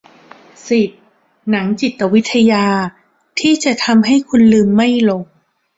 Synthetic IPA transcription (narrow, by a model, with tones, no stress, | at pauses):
si˨˩t̪̚ | na˩˦ŋt͡ɕi˨˩t̪ːa˧wi˦˥t̪ʰːa˧jaː˧ | t̪ʰiː˥˩t͡ɕa˨˩t̪ʰa˧mɦa˥˩jkʰu˧nlɯː˧mːa˥˩jlo˨˩ŋ̚